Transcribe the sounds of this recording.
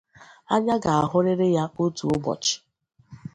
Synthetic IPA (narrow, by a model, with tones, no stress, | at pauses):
a˦ɲa˦ɡa˨a˨ɦʊ˦ɾɪ˦ɾɪ˦ja˦o˦tu˨ʊ˦bɔ̰˨t͡ʃɪ̥˨